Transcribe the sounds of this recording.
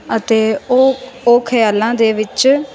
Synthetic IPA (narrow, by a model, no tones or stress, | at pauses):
ət̪eːooːkʰəjaːlãːd̪eːʋɪt͡ʃ